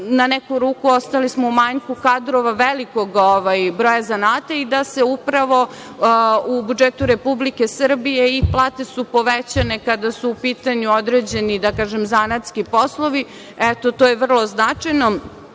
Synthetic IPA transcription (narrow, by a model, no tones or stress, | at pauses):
nanekuɾuːkuost̪alismoumaɲkukad̪ɾoʋaʋelikoɡoʋajbɾoːjazanaːt̪aid̪ase̞upɾaʋo̞ | ubud͡ʒet̪uɾepublike̞sr̩bijeiplˠaːt̪e̞supo̞ʋet͡ɕane̞kad̪asuːpit̪aɲuod̪ɾed͡ʑe̞nid̪akaːʒemzanat̪skipo̞slˠoʋi | et̪ot̪oːjeʋr̩lˠo̞znat͡ʂajno̞